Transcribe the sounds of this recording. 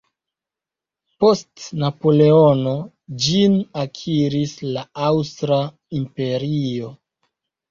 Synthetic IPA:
po̞stnapo̞le̞o̞no̞ | d͡ʒinakʰiɾislaawstɾa | impe̞ɾiio̞

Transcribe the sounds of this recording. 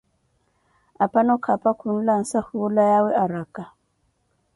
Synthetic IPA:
apanɔkʰapakʰun̩lan̩sahulajawɛʔaɾaka

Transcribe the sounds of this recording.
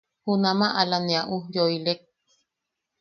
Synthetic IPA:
hunãmãʔalanẽaʔujoilek̚

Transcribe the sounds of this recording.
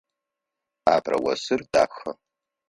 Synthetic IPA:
aːbrɐ̰wɐsɨrda̰ːxɐ

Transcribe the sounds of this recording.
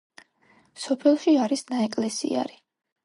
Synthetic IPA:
sɔpʰɛlˠʃiaɾisnaɛkʼlɛsḭa̰ɾi

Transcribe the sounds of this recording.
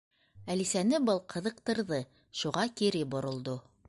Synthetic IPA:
ælisænɘbɤlˠqʰɤ̆ðɤ̆qt̪ɤ̆ɾðɤ | ʃuʁɑkiɾɘbŏɾŏlˠd̪o

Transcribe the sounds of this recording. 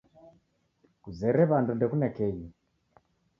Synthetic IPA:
kuzɛɾɛβandundɛkunɛkɛji

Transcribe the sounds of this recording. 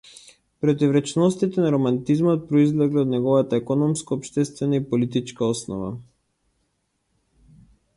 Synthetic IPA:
pɾɔt̪ivɾɛt͡ʃɛnɔst̪it̪ɛnaɾɔmant̪izmɔt̪̚pɾɔizlɛɡliɔd̪nɛɡɔvat̪aɛkɔnɔmskaːpʃt̪ɛst̪vɛnaipɔlit̪̬it͡ʃkaɔsnɔ̰va̰

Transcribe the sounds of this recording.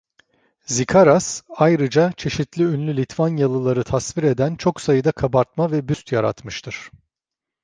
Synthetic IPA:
zikʰaɾasajɾɯd͡ʒat͡ʃʰe̞ʃit̪lʲiynlʲylʲit̪ʰvanjalˠɯlˠaɾɯt̪ʰasviɾe̞d̪ænt͡ʃʰo̞ksajɯd̪akʰabaɾt̪mavɛbyst̪jaɾa̰t̪mɯʃt̪ʰɯɾ̥

